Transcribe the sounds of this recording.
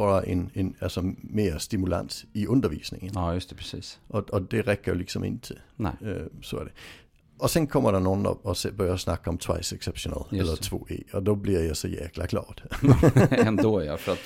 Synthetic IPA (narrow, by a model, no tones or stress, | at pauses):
ɒd̥ɑʔenenælsɒme̝ːɐsd̥imulæ̰n̰siʔɔnd̥ɐʋḭːsne̝ŋənːjɵst̪ɛ̥pʰɛsiːsʔɒɒd̥eʁɛɡ̥ɐjoliɡ̥sɔ̽me̝n̰t͡sʰe̝l | sɔæɐd̥e | ʔɒ̽sɔnkʰɒm̰ʔɐɾɑnoːn̩ɒ̰ɒsebœɐjɐsnɑ̈ɡ̥əɒ̽mt͡sʰʋɑɪseɡ̥seb̥ɕonæ̰lɛllɐt͡sʰʋo̝̰ːe̝̰ːɒdobliɐjɑɪsɒjæːkʰlɐkʰl̥ɑ̰ːd̥ | ɛnd̪ojɑfɔɾat̪